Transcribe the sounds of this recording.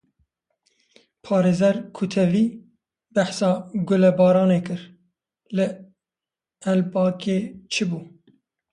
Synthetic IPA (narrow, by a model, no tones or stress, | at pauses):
pʰɑːɾeːzɛɾkʰʊt̪ʰɛviː | bæħsɑːɡʊlɛbɑːɾɑːneːkɨɾ | lɨ | ɛlbɑːkeːt͡ʃʰɨbuː